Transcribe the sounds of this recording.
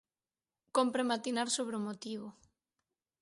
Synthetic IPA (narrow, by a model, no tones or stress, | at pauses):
kompɾemat̪inaɾsoβɾeomot̪iβo